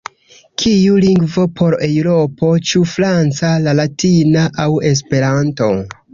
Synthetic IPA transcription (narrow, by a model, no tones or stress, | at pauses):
kʰijuliŋɡvo̞pʰo̞ɾewɾo̞pʰo̞t͡ʃufɾant͡salalatinaʔawe̞s̬pe̞ɾanto̞̰